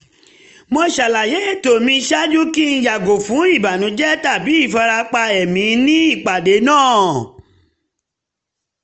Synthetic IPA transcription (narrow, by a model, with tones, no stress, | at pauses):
mo˧ʃa˨la˨je˨˦e˦˨to˨mĩ˧ʃa˦d͡ʒu˦ki˦n̩˦ja˨ɡo˨fũ˨˦i˦˨ba˨nũ˨˦d͡ʒɛ˦ta˦˨bi˨˦i˦˨fa˧ɾa˧k͡pa˧ɛ˨mĩ˨˦nĩ˦i˦˨k͡pa˨de˨˦nãː˦˨